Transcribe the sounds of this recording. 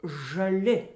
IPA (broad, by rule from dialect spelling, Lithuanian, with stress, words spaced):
ʒɐˈlʲɪ